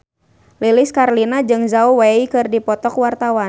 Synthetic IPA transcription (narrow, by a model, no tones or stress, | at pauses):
lilɪskarlinad͡ʒɨŋzauwaikɨrdipɔt̪ɔkwart̪awa